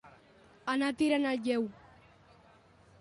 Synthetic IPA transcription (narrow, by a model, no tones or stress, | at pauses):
anat̪iɾanalʎɛw